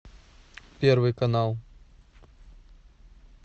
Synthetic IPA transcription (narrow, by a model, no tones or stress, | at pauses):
pʲeɾvɨjkɐnalˠ